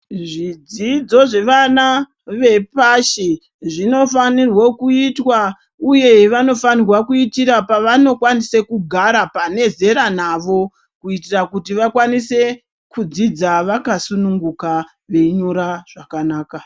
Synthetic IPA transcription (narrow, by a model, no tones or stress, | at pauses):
ʐid͡zid͡zo̞ʐe̞ʋana | ʋe̞paʃi | ʐino̞fanirwo̞kuitwa | uje̞ʋano̞fanirwakuitiɾapaʋano̞kwanise̞kuɡʱaɾapane̞ze̞ɾanaʋo̞ | kuitirakutiʋakwanise̞ | kud͡zid͡zaʋakasunuŋɡuka | ʋe̞ɲoɾaʐ̥akanaːka